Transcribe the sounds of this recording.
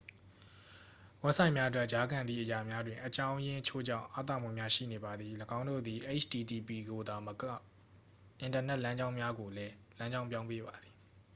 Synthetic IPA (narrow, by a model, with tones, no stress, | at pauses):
wɛ˦ʔsã˨ɪ̃mja˦ʔət̬wɛ˦ʔd͡ʑa˦ɡã˨nd̪ðḭ˦˨ʔəja˨mja˦dwɪ̃˨ʔət͡ɕã˦ʊ̃jɪ̃˦ʔət͡ɕʰo̰˦˨d͡ʑã̰˦˨ʔa̰˦˨t̪̬a̰˦˨mṵ˦˨mja˦ʃḭ˦˨ne˨ba˨d̪ði˨ləɡã˦ʊ̃ndo̰˦˨d̪i˨ʔe˦t͡ɕʰdi˨di˨pi˨ɡo˨d̪a˨m | ʔɪ̃˨ntə˨nɛ˦ʔlã˦ɲd͡ʑã˦ʊ̃mja˦ɡo˨lɛ˦lã˦ɲd͡ʑã˦ʊ̃mpjã˦ʊ̃pe˦βa˨d̪ði̥˨